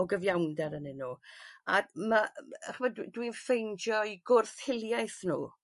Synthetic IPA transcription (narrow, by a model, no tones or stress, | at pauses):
ɔɡəvjawndɛɾənɪnuːamaaχəmɛdwdwinfejnd͡ʒjɔiɡʊrθhɪlˠjajθnṵː